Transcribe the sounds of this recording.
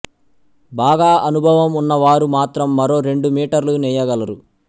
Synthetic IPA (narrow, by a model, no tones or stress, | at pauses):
baːɡaːʔɐnubʱɐʋɐmunːɐʋaːɾumaːt̪ɾɐmːɐɾo̞ːɾe̞ɳɖumiːʈɐɾlunɛːjɐɡɐlɐɾu